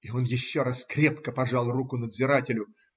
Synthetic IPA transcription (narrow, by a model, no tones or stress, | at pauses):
ɪo̞njɪɕːo̞ɾaskɾʲe̞pkəpɐʐɑlˠrukʊnəd̪zʲɪɾatʲɪlʲʊ